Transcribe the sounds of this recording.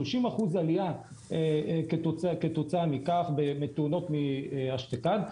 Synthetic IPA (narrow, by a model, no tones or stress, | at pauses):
loʃimaχuzaliaeketoket̪ot͡saamikaχbemet̪uno̞tmiaʃt̪ekan